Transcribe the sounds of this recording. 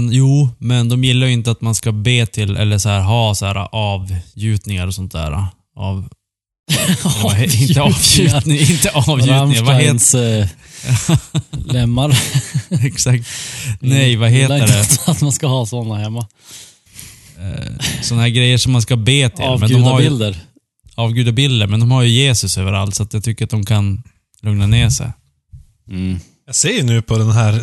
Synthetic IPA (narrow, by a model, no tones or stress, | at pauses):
njuːmɛnd̪ɔmjɪlːaɾjʏɵɪnt̪əat̪manskabeːt̪ʰɪlɛ̰lːəʂɔhæːɾɦɑːsæ̰ːɾa̰ʔɑːvjʉ̟ːt̪nɪŋaɾɔsɔnt̪̚d̪æ̰ːɾa̰ | ʔa̰v | lɪnt̪əɑːvjʉːt̪nɪŋɪnt̪əʔɑːvjʉːt̪ɪŋaɾvaheː | lɛmːaɾ | ɛksak̚t̪nɛjvaɦeːt̪ədɛat̪manskahɑːsɔnahɛmːa | sɔnahɦæːɾɡɾɛjːəʂɔmːanskabeːt̪ʰɪ̰mɛnɡʉːmaɾɪld̪əɾ | ɑːvɡʉ̟ːd̪abɪld̪əɾmɛnd̪ɔmhaɾjɵjeːsɵsøːvəɾa̰lt̪sɔat̪jat̪ʰʏkːəɾat̪̚d̪ɔmkʰan | lɵŋnaneːsɛ̰j | jaseːjnʉ̟ːpʰɔd̪ɛnɦæːɾ